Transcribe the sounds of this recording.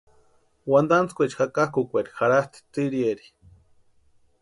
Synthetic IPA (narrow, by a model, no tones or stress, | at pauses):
wand̪ant͡skʷet͡ʃxakahkukʷeɾixaɾast̪i̥t̪iɾieɾi̥